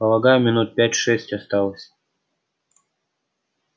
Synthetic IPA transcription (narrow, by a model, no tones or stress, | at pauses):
pəlˠɐɡajʊmʲɪnut̪̚pʲætʲʂɛsʲtʲast̪ɑlˠəsʲ